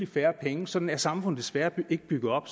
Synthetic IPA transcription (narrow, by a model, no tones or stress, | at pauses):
ifæːɐpʰeŋəsɒ̽d̥n̩æɐsɑ̈mfɔ̽n̰̩ˠd̥e̥sʋæɐe̝ɡ̥əb̥yɡ̥ð̩ˠɒ̽b̥